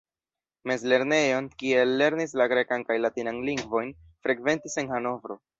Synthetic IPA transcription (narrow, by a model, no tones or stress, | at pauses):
me̞zle̞ɾne̞jo̞nkie̞lːe̞ɾnis̬laɡɾe̞kankajlatinanliŋɡvo̞jn | fɾe̞kve̞ntise̞nhano̞vɾo̞